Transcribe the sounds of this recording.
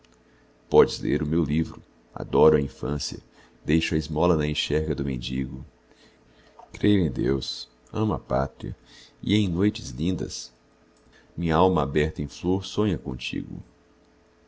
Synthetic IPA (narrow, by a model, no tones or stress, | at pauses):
pɔd͡ʒɪzlḛɾʊmewlivɾʊ | a̰d̪ɔɾʊɐĩfɐ̃siɐ̰ | d̪ejʃʊɐizmɔlɐnɐẽʃɛɾɡɐd̪ʊmẽnd͡ʒiɡʊ | kɾejʊẽj̃d̪ews | ɐ̃mɐpa̰t̪ɾiɐ̰ḭẽj̃nojt͡ʃɪzlĩnd̪ɐ̰s | mĩɲɐawmɐabɛɾt̪ɐẽj̃floɾsõɲɐkõ̰t͡ʃḭɡʊ̰